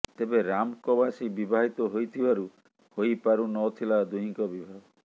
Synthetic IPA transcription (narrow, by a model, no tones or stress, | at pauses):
t̪ebeɾamkɔbasibibaɦit̪ɔɦojt̪ʰibaɾu | hojpaɾunɔt̪ʰilad̪uɦĩŋkɔbibʱaɡɔ